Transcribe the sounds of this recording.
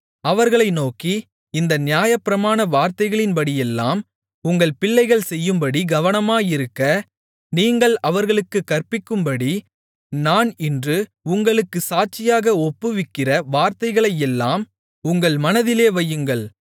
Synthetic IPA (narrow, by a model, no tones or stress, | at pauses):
ɐʋɐɾɣɐɭɐɪnoːki | ɪnd̪ɐnɪjaːjɐpːɪɾɐmaːnɐʋaːɾt̪ɐɪɣɐɭɪnpɐɽijɛlːaːm | ʊŋɡɐɭpɪɭːɐɪɣɐɭsɛjːɯmbɐɽiɡɐʋɐnɐmaːjɪɾɯkːɐ | niːŋɡɐɭɐʋɐɾɣɐɭɯkːɯkːɐrpɪkːɯmbɐɽi | naːnɪndrɯ | ʊŋɡɐɭɯkːɯsaːʈ̚t͡ʃɪjaːɣɐɔpːɯʋɪkːɪrɐʋaːɾt̪ɐɪɣɐɭɐjɛlːaːm | ʊŋɡɐɭmɐnɐðɪleːʋɐjːɯŋɡɐɭ